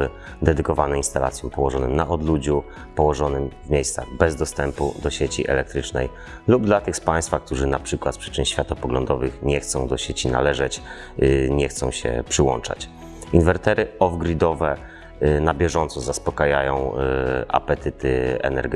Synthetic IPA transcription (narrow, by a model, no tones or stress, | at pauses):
ɘ | d̪ɛd̪ɘkɔvanɛinst̪ala̰t̪sʲjɔmpɔwɔʐɔnɘmnaʔɔd̪lud͡ʑu | pɔwɔʐɔnɘmvmʲjejst̪saɣbɛzd̪ɔst̪ɛmpud̪ɔɕet͡ɕḭʔɛ̰lɛk̚t̪ɾɘt͡ʂnɛ̰j | lubd̪lat̪ɘxspajst̪fak̚t̪uʐɘnapʂɘkwat̪̚pʂɘ̥t͡ʂɘnɕfʲjat̪ɔpɔɡlɔnd̪ɔvɘxɲɛxt̪sɔ̃w̃d̪ɔɕet͡ɕina̰lɛʐɛt͡ɕ | ɲɛxt̪sɔ̃w̃ɕɛ̰pʂɘwɔ̰nt͡ʂa̰t͡ɕ | invɛɾt̪ɛɾɘɔvɡɾid̪ɔvɛ | nabʲjɛʐɔnt̪sɔzaspɔkajajɔ̃w̃ʔa̰pɛt̪ɘt̪ɘɛ̰nɛ̰ɾɡ